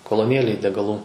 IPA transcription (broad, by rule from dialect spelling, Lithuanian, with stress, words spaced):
koːlˠoːˈnʲeːlʲeːj dʲɛɡɐˈlˠuː